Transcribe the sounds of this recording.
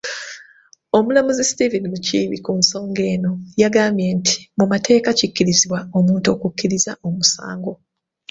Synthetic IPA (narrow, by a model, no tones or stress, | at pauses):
o̞mulamuzestivinimuciːβḭkunso̞ːŋɡe̞ːno̞jaɡaːmbjentʰi̥mumate̞ːkacikːiɾiziβwao̞muːnto̞ːkukːiɾizaʔo̞musa̰ːŋɡo̞